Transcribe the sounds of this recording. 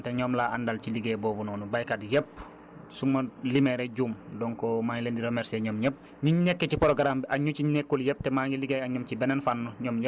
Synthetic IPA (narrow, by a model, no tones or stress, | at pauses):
teɲɔːmlaʔandalciliɡeːbɔːbunɔːnubajkadjɛp | sumɐlimɛɾeɟuːmdɔŋkɔmaɲleːndiɾomɛɾseɲɔːmɲep̚ | ɲiɲɛkːecipɔɾoɡaɾambiʔaɲut͡ʃiɲekːuljɛp̚tɛmaːɡiliɡeaɲɔmcibɛnɛnfanːuɲɔːmɲe